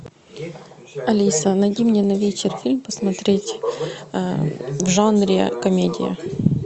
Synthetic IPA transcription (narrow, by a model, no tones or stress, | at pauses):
ɐlʲisənɐjdʲimnʲenɐvʲet͡ɕɪrfʲilʲmpəsmɐt̪ɾʲetʲ | vʐanɾʲɪkɐmʲedʲɪ̰jə̰